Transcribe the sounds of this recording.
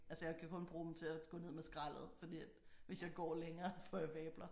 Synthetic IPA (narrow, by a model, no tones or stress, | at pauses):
ʔælsəjɑ̈ɪkʰækʰɔ̽nb̥ʁuːmn̩t͡sʰe̝æɡ̥ɔ̰̽ːne̝ð̰ˠmesɡ̥ʁal̰ð̞̩ˠfɒ̽d̥ḭæ̥ | ʋe̝sjɑ̈ɪɡ̥ɒ̰ːleŋɐːsfɒ̰jɑ̈ʋɛːb̥lɐ